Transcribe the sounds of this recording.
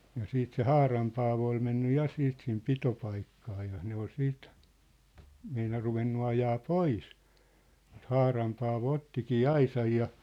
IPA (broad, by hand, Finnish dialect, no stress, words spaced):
jɑ siːt se hɑːrɑm pɑːʋo oi menːy jɑ siːt sim pitopɑikːɑː jɑ ne ol siːt meinɑr ruʋenːu ɑjɑː pois m̆ŭt hɑːrɑm pɑːʋo otːikiː ɑisɑj jɑ